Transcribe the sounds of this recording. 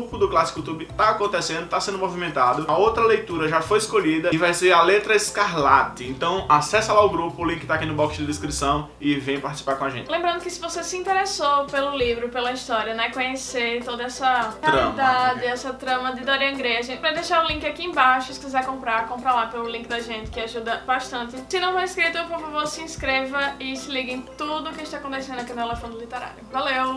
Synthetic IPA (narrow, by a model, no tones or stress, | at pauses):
upʊd̪ʊklasi̥kut̪ubɪt̪aakõnt̪esẽnd̪ʊt̪asẽnd̪ʊmovimẽnt̪ad̪ʊɐowt̪ɾɐlejt̪uɾɐʒafojɪskoʎid̪ɐɪvajseɾɐlet̪ɾɐeskaɾlat̪ɪẽt̪ɐ̃w̃asɛsɐlaʊɡɾupʊːlĩkɪt̪akinʊbɔkst͡ʃd̪ɪd̪eskɾisɐ̃w̃ | ɪvẽj̃paɾt̪isi̥paɾkõaʒẽt̪ɪlẽmbɾɐ̃nd̪ʊkɪsɪvosesɪĩnt̪eɾesopelʊlivɾʊpelɐist̪ɔɾiɐnɛkõɲeseɾt̪od̪ɐɛsɐealid̪ad͡ʒɪɛsɐt̪ɾɐ̃mɐd̪ɪd̪oɾiɐ̃ɐ̃ɡɾejɐʒẽt̪ɪpɾɐd̪ejʃaɾʊlĩkɪakiẽbaʃʊɪskizɛɾkõmpɾaɾkõpɾalapelʊlĩŋkɪd̪ɐʒẽnt̪ɪ̥kɪaʒud̪ɐbaʃt̪ɐ̃nt̪ɪsɪnɐ̃w̃foɾiskɾit̪ʊpoɾfavoɾsɪĩskɾevɐɪsɪliɡẽt̪ud̪ʊʊkɪʃt̪akõt̪esẽnd̪ʊakinʊt̪elefõnd̪ʊlit̪eɾa̰jʊvalew